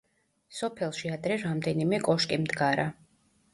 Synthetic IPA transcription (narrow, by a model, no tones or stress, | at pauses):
sɔpʰɛlˠʃiad̪ɾɛɾamd̪ɛnimɛkʼɔʃkʼimd̪ɡaɾa